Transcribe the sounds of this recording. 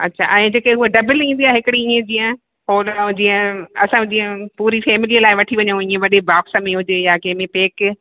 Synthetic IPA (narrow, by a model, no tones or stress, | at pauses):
ɐ̰tːɕʰa̰ʔɛ̃ːd͡ʑeːkeɦʊɦeɖɐbɪlĩːnd̪iaːɪɦɪkɪɽiĩːə̃d͡ʑiːə̃ | ɦoːl̃d͡ʑiːə̃ɐsãd͡ʑiːə̃puːɾifeːmɪliːəlaːɪʋɐʈʰiʋɐɲə̃ĩːẽʋɐɗebaːksmẽɦʊd͡ʑejakẽɦmẽpeːk